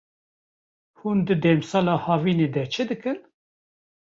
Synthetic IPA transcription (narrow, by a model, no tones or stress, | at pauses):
hund̪ɨd̪ɛːmsɑlɑːhɑːviːneːd̪ɛt͡ʃʰɨd̪ɨkɨn